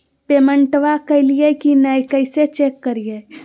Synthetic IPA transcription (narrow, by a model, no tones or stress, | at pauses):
peməɳʈʋakəɪlijekinəjkəɪset͡ʃekːəɾije